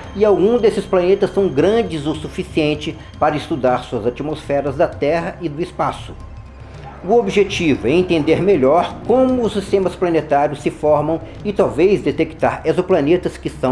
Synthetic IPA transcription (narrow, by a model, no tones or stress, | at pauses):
ɪawɡũzd̪esɪsplanet̪ɐsːɐ̃w̃ɡɾɐ̃d͡ʒɪzosufisiẽnt͡ʃɪ | paɾɐɪst̪ud̪aɾsuɐzat͡ʃimosfɛɾɐzd̪ɐt̪ɛɦɐʔɪd̪ʊɪspasʊ̥ | ʊobiʒet͡ʃivʊɛẽnt̪ẽnd̪eɾmeʎɔɾkõmʊʊsist̪ẽmɐsplɐnet̪aɾjʊsːɪfɔɾmɐ̃w̃ | ɪt̪awvejzd̪et̪ekt̪a̰ɾezoplɐnet̪ɐskɪsɐ̃